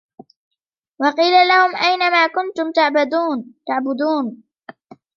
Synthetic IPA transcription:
wɑqiːlalahʊmʔajnamaːkʊnt̪ʊmt̪aʕbad̪uːnt̪aʕbʊd̪uːn

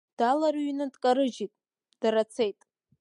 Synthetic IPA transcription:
d̥alarɥnadʼkʼaɾɨd͡ʒitʼ | d̥aɾat͡sʰe̞jtʼ

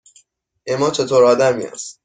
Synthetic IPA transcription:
ʔemɒːt͡ʃʰe̞t̪ʰoːɾɒːd̪æmiæ̰ːst̪

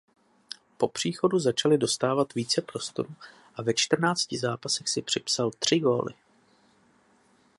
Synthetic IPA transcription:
po̞pr̝̥iːxo̞duzat͡ʃalɪdo̞st̪aːvat̪viːt͡sɛpɾo̞st̪o̞̰ɾu | ʔavɛt͡ʃt̪r̩naːt͡scɪzaːpasɛxsɪpr̝̥ɪpsalt̪r̝̥ɪɡo̞ːlɪ̰

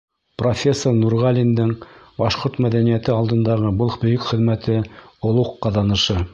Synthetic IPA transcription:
profʲe̞sːornuɾʁɑlʲind̪ɤɴbɑʃqoɾt̪mæðænijæt̪ɘɑlˠd̪ɤ̆nd̪ɑʁɤbɤlˠbɵ̆jɵkχɘ̆ðmæt̪ɘŏlˠuqːɑðɑnɤ̆ʃɤ

